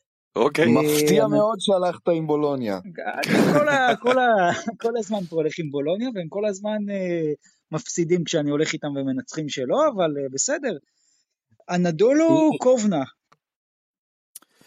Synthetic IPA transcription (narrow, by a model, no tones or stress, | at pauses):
okemaft̪iameo̞d̪ʃealaχt̪aimbo̞lonja̰a̰nikolako̞lako̞lazmanpoole̞χimbo̞lo̞njaveemko̞lazmane | mafsid̪imkʃeanio̞le̞χit̪amveme̞nat͡sχimʃe̞lo̞avalbe̞se̞d̪e̞ʁ | anadulukovna